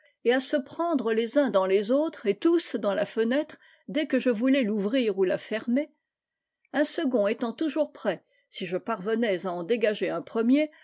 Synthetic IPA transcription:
easəpχɑ̃d̪ʁəlezɛ̃d̪ɑ̃lezot̪χet̪usd̪ɑ̃lafənɛt̪χ | d̪ɛkəʒəvulɛluvʁiʁulafɛʁme | ɛ̃səɡɔ̃et̪ɑ̃t̪uʒuʁpχɛ | siʒəpaʁvənɛzaɑ̃d̪eɡaʒeɛ̃pχəmje

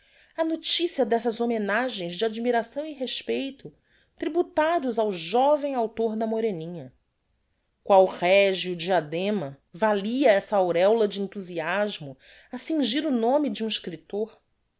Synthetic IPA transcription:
ɐnot͡ʃisiɐd̪ɛsɐzomenaʒẽj̃zd͡ʒɪad͡ʒimiɾasɐ̃w̃iɦeʃpejt̪ʊ | t̪ɾibut̪ad̪ʊzawʒɔvẽj̃awt̪oɾd̪ɐmoɾenĩɲɐ | kwawχɛʒiʊd͡ʒiad̪ẽmɐ | valiɐɛsɐawɾɛwlɐd͡ʒɪẽnt̪uziaʒmʊ | ɐsĩŋʒiɾʊnõmid͡ʒiũiʃkɾit̪oɾ

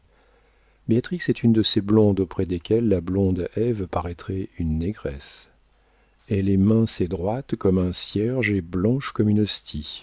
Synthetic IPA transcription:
beat̪χiksɛt̪ʰynd̪əseblɔ̃d̪opχɛd̪ekʲɛlːablɔ̃d̪ɛvpaʁɛt̪χɛynːɛɡʁɛs | elemɛ̃sed̪ʁwat̪kɔmɛ̃sjɛʁʒeblɑ̃ʃkɔmynɔst̪ʰi

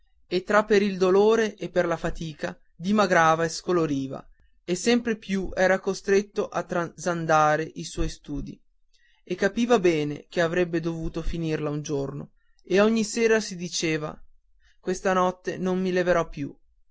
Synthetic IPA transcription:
et̪ːɾapːeɾild̪oloːɾeʔepːerlafat̪iːka | d̪imaɡɾaːvaeskoloɾiːva̰ | esːɛmpɾepjuʔɛːɾakost̪ɾet̪ːoʔat̪ːɾazand̪aːɾeʔiswɔjst̪uːd̪ḭ | ekːapiːvabɛːnḛk̟eavɾɛbːed̪ovuːt̪ofinirlaund͡ʒorno̰ | eoɲːiseːɾasid̪it͡ʃeːva̰ | kwest̪anɔt̪ːenommileveɾɔpːjṵ

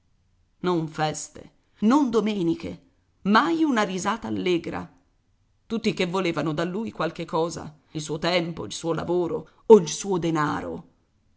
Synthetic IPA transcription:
noɱfɛst̪ḛ | nond̪omeːnikḛ | majunaɾizaːt̪aːlːeːɡɾa̰ | t̪ut̪ːikevːoleːvanod̪alːuːjkwalk̟ekːɔːza̰ | ilsuːot̪ɛmpoilsuːola̰voːɾo̰ | oilsuːod̪enaːɾo̰

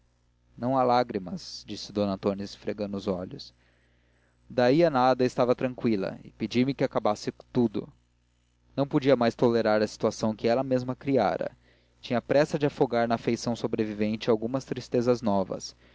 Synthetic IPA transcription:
nɐ̃w̃alaɡɾimɐzd͡ʒisɪd̪õnɐ̃t̪onisfɾeɡɐ̃nd̪ʊuzɔʎʊs | d̪aiɐnad̪ɐɪst̪avɐt̪ɾɐ̃ŋkwilɐ̰ɪped͡ʒimɪkɪakabasɪt̪ud̪ʊ̰ | nɐ̃w̃pod͡ʒiɐmajst̪oleɾaɾɐsi̥t̪uasɐ̃w̃kɪɛlɐmezmɐkɾia̰ɾɐ̰ | t͡ʃĩɲɐpɾɛsɐd͡ʒɪafoɡaɾnɐafejsɐ̃w̃sobɾevivẽnt͡ʃɪawɡũmɐst̪ɾist̪ezɐznɔvɐ̰s

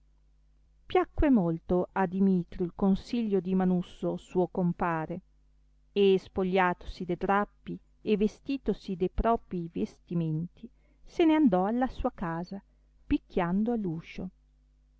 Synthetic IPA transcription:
pjakːwemolt̪oʔad̪imiːt̪ɾjoilkonsiʎːod̪imanusːosuokompaːɾe | espoʎːaːt̪o̥sid̪ed̪ɾapːi | evːest̪iːt̪osid̪ejpɾɔːpɾivest̪iment̪ʰi | seneand̪ɔalːasuːakaːza | pikʲːjand̪oalːuːʃo

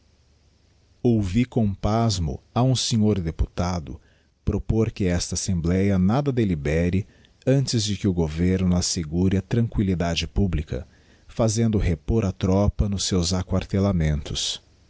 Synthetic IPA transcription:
owvikõpazmʊ̰aũseɲoɾd̪epu̥t̪ad̪ʊ̰ | pɾopoɾkɪɛst̪ɐasẽmblɛjɐnad̪ɐd̪elibɛɾɪ | ɐ̃nt͡ʃɪzd͡ʒɪkɪʊɡoveɾnʊaseɡuɾɪɐt̪ɾɐ̃ŋkwilid̪ad͡ʒɪpublikɐ̰ | fazẽnd̪ʊɦepoɾɐt̪ɾɔpɐnʊsːewzakwaɾt̪elamẽnt̪ʊs

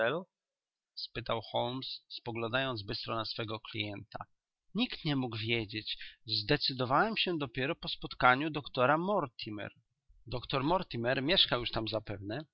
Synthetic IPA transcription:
ɛlu | spɘt̪awxɔlmsːpɔɡlɔ̃nd̪ajɔnd̪zbɘst̪ɾɔnasfɛɡɔklʲḭjɛnt̪ʰa̰ | ɲikt̪ɲɛmuɡvʲjed͡ʑet͡ɕzd̪ɛt̪sɘd̪ɔvawɛmɕɛd̪ɔpʲjɛɾɔpɔspɔt̪kaɲud̪ɔkt̪ɔɾamɔɾt̪ʲʰimɛ̰ɾ | d̪ɔkt̪ɔɾmɔɾt̪imɛɾmʲjɛʂkawjuʂt̪amzapɛvnɛ

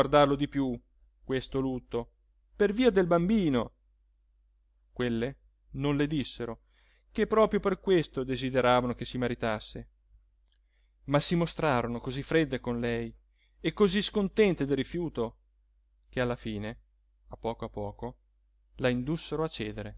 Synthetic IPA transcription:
ard̪arlod̪ipju | kwest̪olut̪ːo | perviːad̪elbambiːno | kwelːe | nonled̪isːeɾo | kepːɾɔːpɾjoperkwest̪od̪ezid̪eɾaːvanokesːimaɾit̪asːe | masːimost̪ɾaːɾonokozifːɾed̪ːekonlɛj | ekːoziskont̪ɛnt̪ed̪irːifjuːt̪o | k̟ealːafiːne | apːɔːkoapːɔːko | laind̪usːeɾoat͡ʃːɛːd̪eɾe

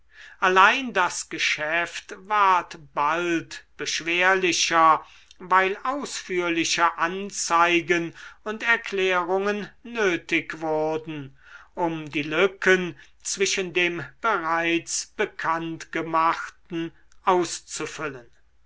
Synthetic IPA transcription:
ʔalaɪndasɡ̥əʃɛftvaɐtb̥altb̥əʃv̥eːɐlɪʃɐ | vaɪlʔaʊsfyːɐlɪʃəʔant͡saɪɡənʊntɛɐklɛːʁʊŋənːøːtɪkv̥ʊɐdn̩ | ʔʊmdiːlʏkʰən | t͡sv̥ɪʃəndeːmb̥əʁaɪt͡sb̥əkʰantɡ̥əmaχtn̩ʔaʊst͡sufʏlən

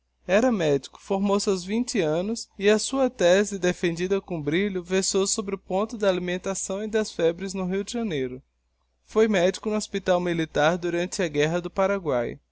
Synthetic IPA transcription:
ɛɾɐmɛd͡ʒi̥kʊ̥foɾmowsɪawzvĩnt͡ʃɪɐ̃nʊsɪɐsuɐt̪ɛzɪd̪efẽnd͡ʒid̪ɐkõbɾiʎʊvesowsobɾɪʊpõnt̪ʊd̪ɐalimẽnt̪asɐ̃w̃ɪd̪ɐsfɛbɾɪznʊɦiwd͡ʒɪʒɐnejɾʊ | fojmɛd͡ʒikʊnʊospit̪awmilit̪aɾd̪uɾɐ̃nt͡ʃɪɐɡɛɦɐd̪ʊpaɾaɡwa̰j

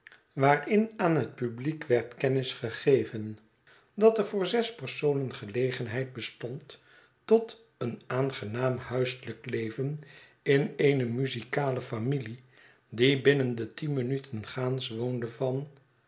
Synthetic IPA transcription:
ʋaːrɪnaːnɦət̚pyblikʋɛɹtkɛnɪsχəχejvən | dɑtɛəɹvʊːɹzɛspəɹsownənχəlejχənɦɛjt̚bəstɔntː | ɔt | ənaːnχənaːmhœɥsələklejvən | ɪneːnəmyzikaːləfamili | dibɪnəndətinmənytʰənχaːnsʋondəvɑn

